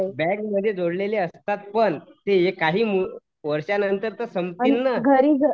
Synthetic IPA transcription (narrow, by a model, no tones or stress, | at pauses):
bɛkməd̪ʱːjed͡zoɽleleəst̪at̪̚pəɳt̪ejekaɦiːmu | ʋəɾʂjanənt̪əɾt̪əsəmpinːəɡʱəɾiːɡʱə